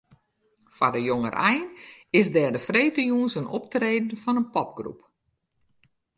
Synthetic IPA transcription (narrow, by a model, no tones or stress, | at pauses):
fadəjoŋə̰rʔɛjnɪsdɛːdəfreːtəjuːnsənɔ̰p̚treːdn̩fɔnənpɔp̚ɡrṵp